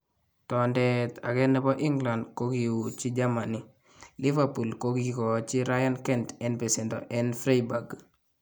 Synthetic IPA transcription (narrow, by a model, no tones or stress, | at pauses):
tɔndɛta̰kɛnɛbɔʔiŋɡlandkokiwut͡ʃid͡ʒamani | livapulkokikɔt͡ʃiɾajankɛntɛnpɛsɛndɔ̰ʔɛnfɾejbaɡ